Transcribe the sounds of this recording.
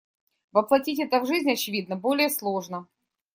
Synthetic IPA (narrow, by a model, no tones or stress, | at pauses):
vəplˠɐtʲitʲɛt̪əvʐɨzʲnʲɐt͡ɕɪvʲid̪̚nəbo̞lʲɪjəslˠoʐnə